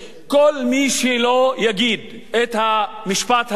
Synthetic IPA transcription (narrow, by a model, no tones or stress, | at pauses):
kolmiːʃilojaɡid̪̚ | et̪hamiʃpat̪h